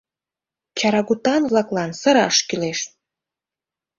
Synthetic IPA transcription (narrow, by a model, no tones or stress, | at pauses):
t͡ɕɑɾɑɣut̪ɑnβlɑklɑnsəɾɑ̰ʃkyleʃ